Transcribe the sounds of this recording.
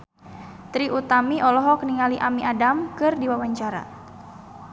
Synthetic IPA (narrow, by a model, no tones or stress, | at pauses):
t̪ɾiʔut̪amiʔɔlɔɦɔkəniŋaliʔamiʔadamkɨrdiwawaɲt͡ʃaɾa̰